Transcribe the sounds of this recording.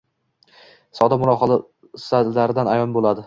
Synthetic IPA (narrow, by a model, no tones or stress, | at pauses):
sɒd̪amʊɾɒχɒ | salaɾɪd̪anajɒnbolˠad̪ɪ